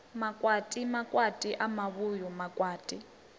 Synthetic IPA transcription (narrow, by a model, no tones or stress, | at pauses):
makʼwatʼimakʼwatʼiʔamaβujɔmakʼwaːtʼi